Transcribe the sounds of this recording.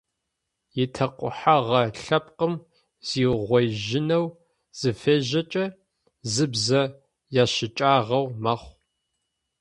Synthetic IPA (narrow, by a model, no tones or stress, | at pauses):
jɪtʰɐqʷʼʊ̰ħaʁɐɬɐpqəm | z̥iːʁʷɔjʒɪnɐw | z̥ɨfeːʑɐt͡ʃʼɐ | zɨbzɐ | jaːɕɪt͡ʃʼaːʁɐwmɐχʷ